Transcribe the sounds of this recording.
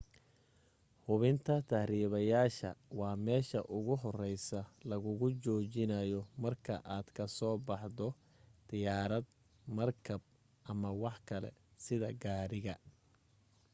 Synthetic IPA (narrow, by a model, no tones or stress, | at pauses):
hʊβɪnt̪ʰɐt̪ʰɐhriːβɐjaːʃɐ̰wɑːmɛːʃɐ̰ʔʊɣʊɦɔrɛjsɐlɐɣʊɣʊt͡ʃɔːt͡ʃɪnɐjɔmɐrkʰɐ̰ʔaːd̪̥kʰɐsɔːbɑħd̪ɔ | d̪̥ɪjaːɾɐd̪ | mɐrkʰɐb̚ | ʔɐmɐwɑħkʰɐlɛ̰sɪðɐɡaːɾɪɣɐ